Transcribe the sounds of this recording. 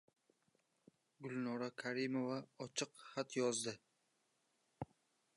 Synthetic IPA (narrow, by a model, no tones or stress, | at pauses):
ɡʊlnɒɾakʰaɾɪmovaɒt͡ʃʰɨqχat̪jɒzd̪ɪ